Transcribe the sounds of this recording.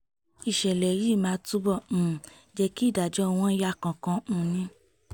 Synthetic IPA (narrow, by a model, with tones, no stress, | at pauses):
i˨ʃɛ˨lɛ˨˦ɾi˦˨mãː˨˦tu˦bɔ̃˦˨ | d͡ʒɛ˧ki˦i˦˨da˨d͡ʒɔ˨˦˧w̃ɔ̃˦ja˦˨kã˨kã˧nĩ˧